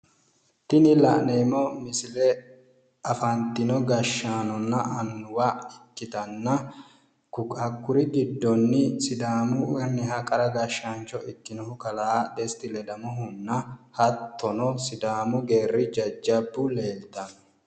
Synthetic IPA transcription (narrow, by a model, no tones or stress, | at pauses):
t̪ɪnɪlɐʔneːmɔmɪsɪlɛ | ɐfɐnt̪ːɪnɔɡɐʃːaːnɔnːɐʔɐnːʊwaɪkːɪt̪ɐnːɐ | kʊkʼɐkːʊɾɪɡɪd̪ːɔnːɪsɪd̪aːmʊɛnːɪɦɐkʼɐɾɐɡɐʃːant͡ʃːɔʔɪt̪ːɪnɔhʊkɐlaːd̪ɛst̪ɪlɛd̪ɐmʊɦʊnːɐhɐt̪ːɔnɔsɪd̪aːmʊɡe̞ːrːɪd͡ʒɐd͡ʒːɐbːʊle̞ːlt̪ɐnɔ